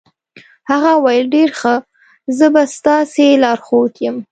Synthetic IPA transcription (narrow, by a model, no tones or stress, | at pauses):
haɣawajəlɖeɾxə | zəbast̪ɑselɑɾxot̪jəm